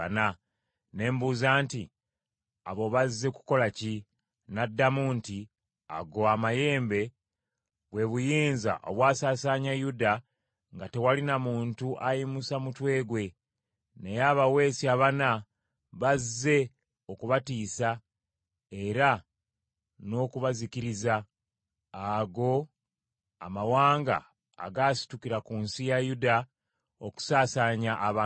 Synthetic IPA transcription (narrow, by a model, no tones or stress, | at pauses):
na | ne̞ːmbuzaːnti | a̰βo̞βazːe̞ku̥ko̞laci | nadːamuːnti | a̰ɡoamaje̞ːmbe̞ | βwe̞βujiːnza̰ʔo̞̰βwaːsaːsaɲajuda | ŋɡate̞walinamuːntuʔajimusamutwe̞ːɡwe̞ | nejaːβawe̞ːsiaβana | βazːe̞ | o̞kuβatiːsa | e̞ɾa | no̞ːkuβazikiɾiza | aɡo̞ | a̰mawaːŋɡa̰ː | ɡaːsi̥tukiɾakunsijajuda | o̞ku̥saːsaɲaʔːβa